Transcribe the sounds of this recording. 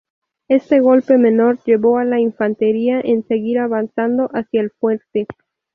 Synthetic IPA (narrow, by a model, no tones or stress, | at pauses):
e̞st̪e̞ɣ̞o̞lpe̞mẽ̞no̞ɾʝe̞βo̞alaiɱfant̪e̞ɾiaʔense̞ɣiɾaβansand̪o̞ʔasjaelfwe̞ɾt̪e̞